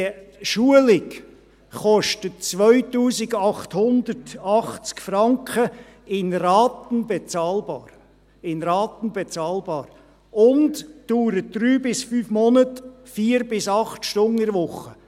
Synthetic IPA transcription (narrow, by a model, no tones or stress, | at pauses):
ʃuəlɪk | χɔʃtətt͡sʋœʏtuːsɪɡɑχthʊnd̪əɾtɑχt͡skfɾɑŋkχə | ɪnrɑːt̪n̩bɛt͡sɑːlbɑːɾ | ɪnɾɑːt̪ən̩bet͡sɑːlbɑːɾ | ʊndd̥uːɾət̚d̥ɾyːbɪsfyːfmɔnət | fiːəɾbɪsɑχtʃtʊnɪɾʋʊχːə